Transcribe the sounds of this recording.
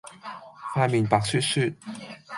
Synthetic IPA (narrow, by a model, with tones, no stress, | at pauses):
fʰaː˧miː˨˩npaː˨k̚syː˥t̚sy˥˩t̚